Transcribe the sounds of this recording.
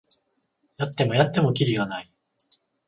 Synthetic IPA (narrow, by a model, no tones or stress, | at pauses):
jat̪ːe̞mo̞jat̪ːe̞mo̞kʲiɾʲiɡanai